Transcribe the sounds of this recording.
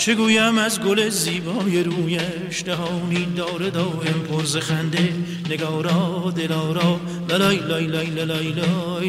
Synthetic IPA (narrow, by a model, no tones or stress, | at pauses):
t͡ʃʰeɡuːjæmæzɡoleziːbɒːjeɾuːjæ | ʃd̪æhɒwniːd̪ɒːɾed̪ɒwempʰoɾzexænd̪e | neɡɒːɾɒːd̪elɒːɾɒː | lælɒjlɒjlɒjlelɒjlɒ | j